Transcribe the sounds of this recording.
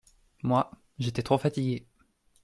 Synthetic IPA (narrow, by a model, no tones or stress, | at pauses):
mwa | ʒet̪ɛt̪χofat̪iɡʲe